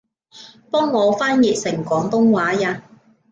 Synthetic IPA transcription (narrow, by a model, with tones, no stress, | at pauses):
pɔː˥ŋːɔː˨˧faː˥njiː˨t̚sɪ˨˩ŋkʷɔː˨˥ŋt̪ʊ˥ŋwaː˨˥jaː˧